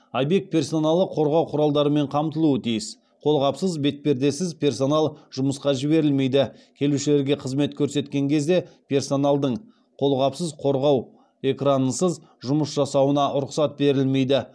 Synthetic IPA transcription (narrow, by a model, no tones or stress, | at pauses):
ajbe̞k̚t̪̚pʰʲe̞rso̞nɑlˠəqʰo̞ɾʁɑwqʰʊɾɑlˠd̪ɑɾəme̞ɴqʰɑmt̪əlˠuət̪ʰijɪs | qʰo̞lˠʁɑpsəzbe̞t̪̚pe̞ɾd̪e̞sɪzpʰʲe̞rso̞nɑlˠʒ̥ʊməsqɑʒɪβe̞ɾɪlme̞jd̪ɪkʲʰe̞luʃɪle̞ɾɡʲe̞qʰəzme̞t̪kʲʰɵɾse̞t̪kʲe̞ŋkʲʰe̞zd̪e̞pʲʰe̞rso̞nɑlˠd̪əɴ | qʰo̞lˠʁɑpsəzqʰo̞ɾʁɑw | e̞kranəsəz | ʒʊməsʒɑsɑwənɑʔʊɾʊqsɑt̪̚be̞ɾɪlme̞jd̪ɪ